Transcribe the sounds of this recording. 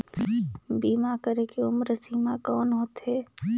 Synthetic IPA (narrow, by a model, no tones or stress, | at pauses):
biːmakəɾeːkeʊmɾəsiːmakɔːnɦoːt̪ɦɛː